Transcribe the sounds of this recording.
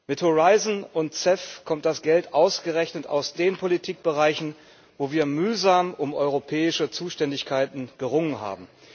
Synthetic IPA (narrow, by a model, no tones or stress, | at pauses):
mɪthoʁaɪzn̩ʊntt͡sɛfkʰɔmt̚d̥asɡ̥ɛltʔaʊsɡ̥əʁɛçnəta̰ʊsd̥eːnpʰolitʰiːk̚b̥əʁaɪçn̩ | voːviːɐmyːzaːmʊmʔɔʏʁopʰɛːɪʃət͡suːʃtɛndɪçkʰaɪtn̩ɡ̥əʁʊŋənɦa̰ːbm̩